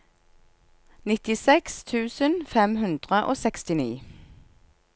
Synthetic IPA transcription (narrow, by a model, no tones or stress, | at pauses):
nɪt̪ɪsɛkst̪ʰʉːsənfɛmhʉnd̪ʁəʔoːsɛkst̪ɪniː